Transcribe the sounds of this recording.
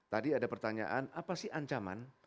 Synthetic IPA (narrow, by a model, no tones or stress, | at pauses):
t̪adiadapərt̪aɲa̰ʔanapasɪhaɲt͡ʃama̰n